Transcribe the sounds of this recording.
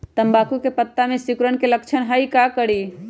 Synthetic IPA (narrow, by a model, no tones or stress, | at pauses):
t̪əmbakukepət̪ːamesikɾəɳkelək̚t͡ʃʰənɦəikakəɽi